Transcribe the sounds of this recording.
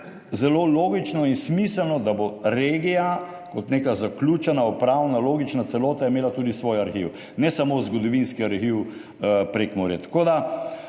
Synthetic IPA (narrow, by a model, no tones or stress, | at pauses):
zɛloloːɡit͡ʃnɔinsmisəlnɔd̪aboɾeːɡija | kɔt̪neːkazakluːt͡ʃɛnaɔpɾawnaloːɡit͡ʃnat̪sɛloːt̪ajɛmeːlat̪uːd̪isʋoːjaɾxiːw | nɛsamozɡɔd̪ɔʋinskiaɾxiw | pɾekmɔɾjɛt̪ḁkoːd̪a